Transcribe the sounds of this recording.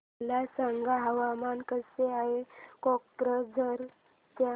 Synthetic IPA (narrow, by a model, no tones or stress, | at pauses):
lasaŋɡaɦəʋamankəseaɦekɔk̚ʈɾəd͡zʱəɾ | ta